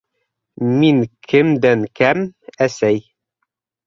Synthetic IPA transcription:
miŋkʰɘmd̪æŋkæmæsæj

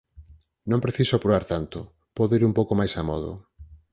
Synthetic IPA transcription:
nõmpɾeθisʊapɾoβaɾt̪ant̪ʊ | pɔðoiɾumpowkomajsamɔ̰ðʊ̰

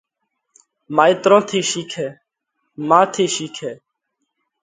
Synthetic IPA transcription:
maːiːt̪ɾõːt̪ʰiːʃiːkʰɛː | mãːt̪ʰiːʃiːkʰɛː

